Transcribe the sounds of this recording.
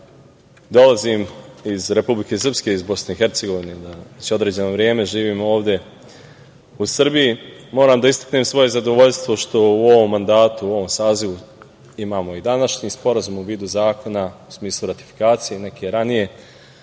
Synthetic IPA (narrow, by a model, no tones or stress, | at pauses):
d̪o̞lˠazimizɾe̞publike̞sr̩pske̞izbo̞sne̞ixe̞ɾt̪se̞ɡo̞ʋined̪aet͡ɕeo̞d̪ɾe̞ːd͡ʑe̞no̞ʋɾje̞ːme̞ʒiːʋiːmo̞ːʋd̪ʲe̞ | usr̩bijimo̞ːɾaːmd̪aist̪ḁkne̞ːmsʋo̞je̞zad̪o̞ʋo̞ʎst̪ʋo̞ʃt̪o̞uo̞ʋo̞mːand̪aːt̪uo̞ʋo̞msaːziʋu | imaːmo̞id̪anaʃɲiːspo̞ɾazumuʋiːd̪uzaːko̞nausmiːslˠuɾat̪i̥fi̥kaːt̪sije̞ne̞kejeɾanije̞